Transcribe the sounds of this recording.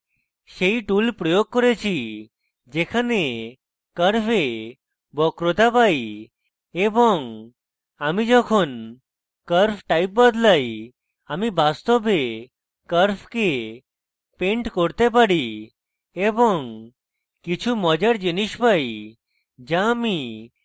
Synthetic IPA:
ʃejʈulpɾɔjoɡ̚kɔɾet͡ɕʰi | d͡ʒekʰane | kəɾpʰe | bɔkɾot̪apaj | ebɔŋ | amid͡ʒɔkʰon | kəɾpʰʈajp̚bad̪laj | amibast̪ɔbe | kəɾpʰke | peɳʈkɔɾt̪epaɽi | ebɔŋ | kit͡ʃʰumɔd͡ʒəɽd͡ʒiniʃpaj | d͡ʒami

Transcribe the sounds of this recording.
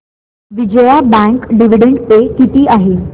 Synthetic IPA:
ʋid͡ʑəjabɛ̃ŋkɖiʋiɖẽɳɖpekit̪iaɦe

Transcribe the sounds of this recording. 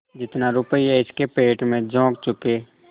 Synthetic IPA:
d͡ʒɪt̪naɾʊpəiɛɪskepeːʈmẽd͡ʒɔ̃ːkt͡ʃʊkeː

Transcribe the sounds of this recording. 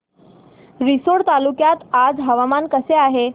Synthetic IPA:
ɾisoɽt̪alukjat̪ad͡zɦəʋamankəseaɦe

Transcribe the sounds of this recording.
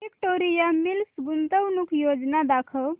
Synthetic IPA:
ek̚ʈoɾijamilsubunt̪əwnukʰjod͡ʒnad̪akʰəl

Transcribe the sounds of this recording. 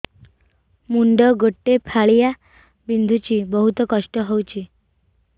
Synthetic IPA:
muɳɖɔɡoʈːepʰaɭija | bind̪ʱut͡ɕibɔɦut̪ɔkɔʂʈɔɦowt͡ɕi

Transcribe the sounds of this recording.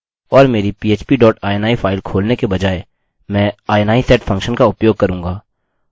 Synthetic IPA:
ɔːɾmeːɾipiːeːt͡ʃpiɖɔːʈaːɛnaːifʰaːɪlkʰoːlnekebɐd͡ʒaːe | mɛ̃ːaːɛnaːisɛːʈfʰɐ̃ŋkʃənkaʊpjoːɡ̚kɐɾũːŋɡaː

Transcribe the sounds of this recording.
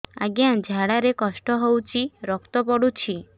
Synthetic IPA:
a̰ɡjad͡ʒʱaɽaɾekɔsʈɔɦowt͡ʃʰiɾɔkt̪ɔpɔɽut͡ʃʰi

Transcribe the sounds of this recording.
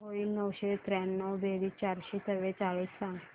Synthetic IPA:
ɦoiːnəwɕet̪ɾɛnːəwb̪eɽiːt͡ɕaɾɕet̪əʋet͡saɭiːsːãŋɡ

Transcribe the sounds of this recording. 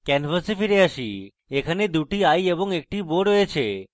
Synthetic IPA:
kɛnfəsifiɾeəʃi | ekʰaned̪uʈiajebɔŋek̚ʈiboɖɦoet͡ʃʰe

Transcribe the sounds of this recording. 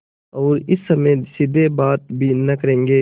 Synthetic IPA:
ɔːɾɪsːɐmesɪd̪ʱebaːt̪̚bʱiːnɐkəɾẽːŋɡeː

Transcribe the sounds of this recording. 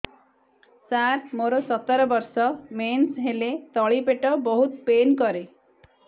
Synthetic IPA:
saɾmoɾɔsɔt̪ɔɾɔbɔɾsɔmensɦelet̪ɔɭipeʈɔbɔɦut̪penkɔɾe

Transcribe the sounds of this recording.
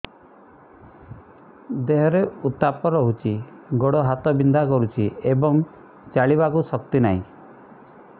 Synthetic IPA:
d̪eɦɔɾeut̪apɔɾɔɦut͡ʃʰiɡoɽɔɦat̪ɔbind̪ʱakɔɾut͡ʃʰiebɔŋ | t͡ʃaɭibakusɔk̚t̪inaɦĩ

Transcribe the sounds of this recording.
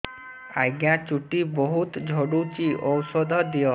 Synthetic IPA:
ajɡjat͡ʃuʈibɔɦut̪d͡ʒʱɔɽut͡ʃiʔɔwsɔd̪ʱɔd̪ijɔ

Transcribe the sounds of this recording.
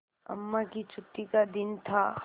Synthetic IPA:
ɐ̰mːakit͡ʃut̪ːikad̪int̪ʰa

